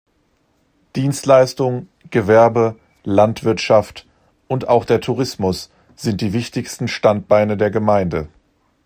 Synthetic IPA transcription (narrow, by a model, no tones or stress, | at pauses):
d̥iːnstlaɪstʊŋ | ɡ̥əvɛɐbə | lantv̥ɪɐtʃaft | ʔʊntaʊxd̥eːɐtʰuʁɪsmʊs | z̥ɪntd̥iːvɪçtɪçstn̩ʃtant̚b̥aɪnədeːɐɡəmaɪndə